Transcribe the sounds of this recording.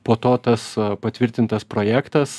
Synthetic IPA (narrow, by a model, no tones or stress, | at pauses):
poːt̪oːt̪ɐspɐt̪ʲʋʲɪɾʲt̪ʲɪnt̪ɐspɾoːjæːkt̪ɐs